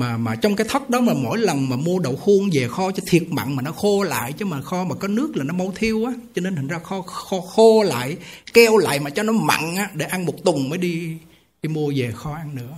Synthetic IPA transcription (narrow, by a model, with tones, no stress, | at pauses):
maː˨˩maː˨˩t͡ɕɔ˧wŋ͡mkaː˨˦jt̪ʰə˦˥t̚ɗɔ˨˦maː˨˩mo̰˧˥jlə˨˩ŋmaː˨˩mu˧əɗo̰˧˨wxu˧əŋve˨˩xɔ˧t͡ɕɔ˧t̪ʰi˨˩ət̚ma̰˧˨ŋmaː˨˩nɔ˨˦xo˧la̰ː˧˨jt͡ɕə˧˨˦maː˨˩xɔ˧maː˨˩kɔ˨˦nɨ˦˥ək̚laː˨˩nɔ˨˦ma˧wt̪ʰi˧əwʔaː˨˦t͡ɕɔ˧ne˧nt̪ʰi˨˩ŋ̟zaː˧xɔ˧xɔ˧xo˧la̰ː˧˨jkɛ˧wla̰ː˧˨jmaː˨˩t͡ɕɔ˧nɔ˨˦ma̰˧˨ŋʔaː˨˦ɗe˧˩ʔa˧nmo˨˩t̚t̪ʊ˨˩ŋ͡mməː˨˦jɗi˧ | ɗi˧mu˧əve˨˩xɔ˧ʔa˧nnɨ̰˧˥ə